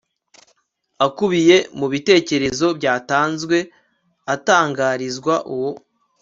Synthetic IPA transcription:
akuβije̞muβite̞ːce̞ɾe̞zo̞bɟaːtaːnzɡwe̞ | ataːŋɡaːɾizɡwaʔuwo

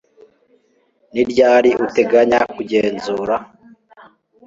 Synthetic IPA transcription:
niɾɟaːɾiʔute̞ɡaɲakuɟeːnzuːɾa

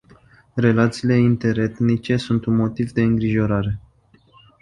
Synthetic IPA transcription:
re̞lat̪siːle̞int̪e̞ɾe̞t̪nit͡ʃe̞sunt̪unmo̞t̪ivd̪e̞ɨŋɡɾiʒo̞ɾaɾe̞

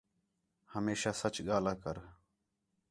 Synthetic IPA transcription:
həmeːʃaːsət͡ʃɠaːlaːkəɾ

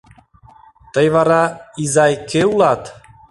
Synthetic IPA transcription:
t̪əjvɑɾɑizɑjkʰeulˠɑt̪

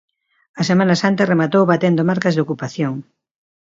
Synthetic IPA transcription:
ɐsemãnɐsant̪ɐremat̪owβat̪end̪omaɾkɐzðokupaθjoŋ

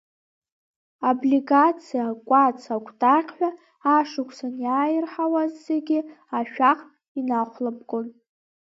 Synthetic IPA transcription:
obliɡat͡sʰijakʷʼat͡sʰakʷʰtʼaqʲʼħʷᶣa | aʂɨkʷʰsanjaːjɪrħawazːeɡʲi | aʃᶣaqʼ | inaχʷlabɡʼon

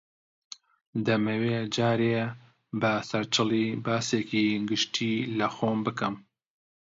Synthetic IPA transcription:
d̪ɐmeweːd͡ʒaːɾeː | bɨsɐɾt͡ʃɨliːbɑːsekiːɡɨʃtʰiːlɨxoːmbɨkɨm

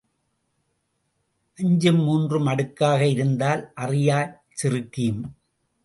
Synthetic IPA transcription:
ʔɐɲd͡ʒɯmːuːndrɯmɐɽɯkːaːɣɐɪɾɯnd̪aːlʔɐrɪjaː | t͡ʃɪrɯkːɪjɯm

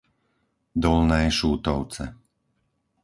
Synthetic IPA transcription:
d̪ɔlnɛːʃuːt̪ɔʊt͡sɛ̰

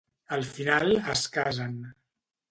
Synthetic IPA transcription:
əlˠfinalˠəskazən

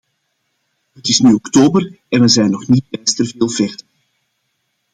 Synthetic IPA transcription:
ɦətɪsnyɔktoːbər | ɛnʋəzɛjnɔxnit̚bɛstərveːlˠvɛrtən

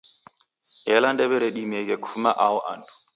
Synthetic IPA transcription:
ɛlandɛβɛɾeɗimekʼɛkʰumaʔaʊʔa̰ntʰʼu̥

